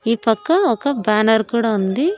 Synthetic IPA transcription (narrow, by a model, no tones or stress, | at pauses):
iːpɐkːɐɔkɐbaːnɐɾkuːɽɐund̪i